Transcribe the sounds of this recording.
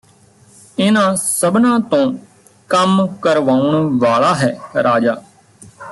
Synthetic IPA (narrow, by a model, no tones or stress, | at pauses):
ɪnãːsəbnãːt̪õː | kəmkəɾʋaːuɳʋaːɭaːɦɛːɾʔaːd͡ʒaː